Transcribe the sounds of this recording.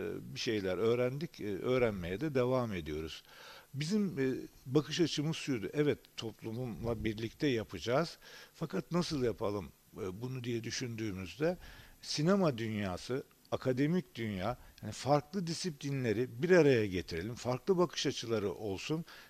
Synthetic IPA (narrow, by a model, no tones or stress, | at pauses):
biʃe̞jlʲæɾø̞ːɾænd̪icːø̞ːɾænme̞jɛd̪ɛd̪e̞vame̞d̪ijo̞ɾuz̥bizimːbakʰɯʃat͡ʃʰɯmɯ̥sujd̪uʔɛvɛt̪ʰːo̞plˠumumlˠabiɾlʲic̚t̪ʰɛjapʰɯd͡ʒaːz̥fakat̪nasɯlˠjapʰalˠɯm | bunud̪ijɛd̪yʃynd̪yːmyzd̪ɛsinemad̪ynjaːsɯ | akʰad̪e̞micd̪ynjaːjhanifaɾklˠɯd̪isiplʲinlʲe̞ɾibiɾaɾajaɟe̞t̪ʰiɾe̞lʲimfaɾklˠɯbakʰɯ̥ʃat͡ʃʰɯlˠaɾɯʔo̞lˠsun